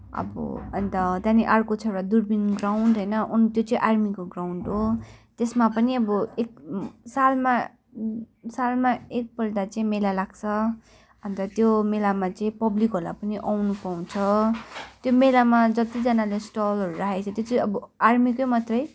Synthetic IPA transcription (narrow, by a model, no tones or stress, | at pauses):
ʌ̰bʌ̰ʌ̰nt̪ʌt̪janiʔarkot͡sʰʌɽad̪urbinɡrawɳɖɦʌjnʌʔunt̪jot͡sʌĩʔarmikoɡrawɳɖɦot̪esmapʌniʌbʌek̚salma | salmaek̚pʌɽd̪at͡sʌĩmelalaɡt͡sʰʌ | ʌnt̪ʌt̪jomelamat͡sʌĩpʌblikɦʌɾula̰pʌniʔawnupaw̃t͡sʰʌ | t̪jomelamad͡zʌt̪id͡zʌnalesʈʌlɦʌɾuɾaɦet͡sʰʌt̪jot͡sʌĩʌbʌarmikojmat̪rʌj